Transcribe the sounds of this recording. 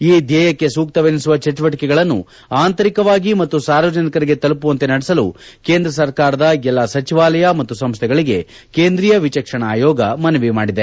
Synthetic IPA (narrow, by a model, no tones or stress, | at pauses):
iːd̪jɛːjɐkːe̞suːk̚t̪ɐʋenisuʋɐt͡ʃɐt͡ʃuʋɐʈikɛɡɐɭɐnːṵ | aːnt̪ɐɾikɐʋaːɡimɐt̪ːusaːɾʋɐd͡ʒɐnikɐɾiɡe̞t̪ɐlupuʋɐnt̪enɐɽɛsɐlṵ | ke̞ːnd̪ɾɐs̬ɐɾkaːɾɐd̪ɐɛlːasɐt͡ʃiʋaːlɐjɐmɐt̪ːusɐmst̪ʰɛɡɐɭiɡe̞ | keːnd̪ɾijɐʋit͡ʃɐkʂɐɳɐaːjɔːɡɐmɐnɐʋimaːɽid̪e̞